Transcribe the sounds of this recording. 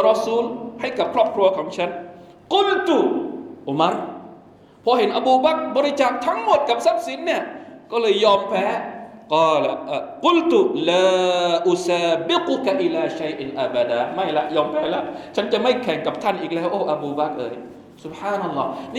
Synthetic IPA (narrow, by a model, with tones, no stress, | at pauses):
ɾɔ˧suː˧˥lha˥˩jka˨˩p̚kʰɾɔː˥˩p̚kʰɾu˧ɐkʰɔː˨˩˦ŋt͡ɕʰa˦˥n | qʊ˦˥lt̪u˨ʔu˨˧ma˦˥ɾ | pʰɔ˧ɦe˨˦nʔa˧buː˧ba˦˥k̚bɔː˧ɾi˦˧t͡ɕaː˨˩k̚t̪ʰa˦˥ŋmo˨˩t̪̚ka˨˩p̚sa˦˥p̚si˨˦nːi˧˩ɐkɔː˥˩lɤː˧jːɔː˧mpʰɛː˨˥kɔː˧˩la˨˧qʊ˦˥˩lt̪u˨laː˧ʔu˨saː˧bi˦kʊ˧ka˨ʔi˦laː˨ʃa˦jʔnʔa˦˧ba˨d̪aː˨ma˥˩jla˦˥ʔjɔː˧mpʰɛː˨˦˥la˦t͡ɕʰa˦˥nt͡ɕa˨ma˥˩jkʰɛ˨˩˦ŋka˨˩p̚t̪ʰa˥˩nʔiː˨˩k̚lɛː˦˥wʔo˧˩wʔa˧buː˧ba˦˥˩k̚ʔɤ̰ː˧j | su˨b̚ħaː˧˩na˧lːɔː˦˥˩n˧